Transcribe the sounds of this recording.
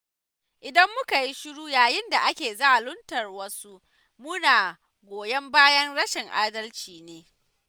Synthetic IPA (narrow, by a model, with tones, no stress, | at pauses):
ʔɪ˨dɐ˦mːʊ˦ka˨ji˦ʃʊ˦ɽuː˦jaː˨jɪ˦nda˨ʔa˦kʲeː˨za˦ʔlʊ˦ntɐ˨rwɐ˦su˦ʔ | mʊ˦naː˨ | ɡʷoː˨jɐ˦mbaː˦jɐ˦ŋɽɐ˦ʃɪ˨ŋʔaː˦dɐ˦lt͡ʃiː˨neː˦